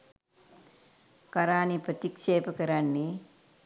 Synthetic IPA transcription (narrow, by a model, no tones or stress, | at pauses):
kaɾaːniprət̪ikʃeːpəkəɾanːe